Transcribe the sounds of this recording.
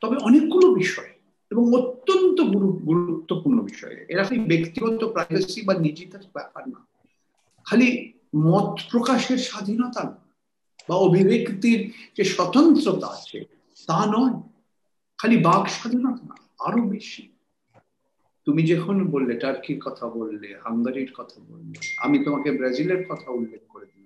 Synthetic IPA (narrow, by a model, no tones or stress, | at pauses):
t̪ɔbeʔɔnekɡulobiʃɔe | eboŋot̪ːont̪oɡuɾuɡuɾut̪ːopuɾnobiʃɔ̰ḛḛɾakʰajbekt̪iɡɔt̪opɾajbasibanid͡ʑit̪aɾbɛpaɾna̰ | kʰali | mɔt̪pɾokaʃeɾʃad̪ʱinot̪ana | baobʱibʱekt̪iɾd͡ʑeʃɔt̪ont̪ɾot̪aat͡ɕʰḛ | t̪anɔe | kʰalibaɡʃad̪ʱinɔt̪ana̰ | a̰ɾobeʃi | t̪umid͡ʑekʰonobolːeʈaɾkiɾkɔt̪ʰabolːehaŋɡaɾiɾkɔt̪ʰabo̰lːea̰mit̪omakebɾezileɾkɔt̪ʰaulːek̚ʰkoɾed̪iba